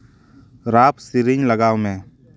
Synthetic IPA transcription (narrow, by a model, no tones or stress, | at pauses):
ɾaːpsiɾɪɲləɡaːwmẽ